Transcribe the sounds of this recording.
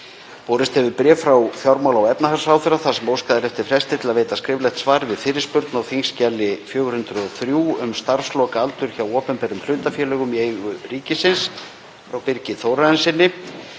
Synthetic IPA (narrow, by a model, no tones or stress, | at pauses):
pɔːɾɪst̪ɛvɪɾpɾɛːfɾawθjawɾmawlawɛpnahalsaːwθʏɾaθḁsɛmoːwskaːðaɾɛft̪ɪfɾɛst̪ɪt̪ʰɪlaðveːjt̪askɾɪːvlɛjxt̪svaːɾɪvɪðfɪːɾɪspʏɾt̪nawθiŋscalːɪfjœːɣʏɾhʏnt̪ɾʏɔθɾjuːʏmst̪aɾ̥slɔːkaalt̪ʏɾ̥çawɔːpɛnpɛɾʏml̥ʏːt̪afjɛːlœːɣʏmieːjɣʏriːcɪsɪns | fɾawpɪɾcɪθowɾaðɛnsɪnːɪ